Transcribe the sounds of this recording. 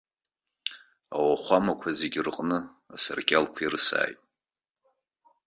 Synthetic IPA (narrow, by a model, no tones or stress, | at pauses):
awaχʷamakʷʰazeɡʲrɨqʼnɨ | asarɡʲʼalkʷʰirɨsa̰ːjtʼ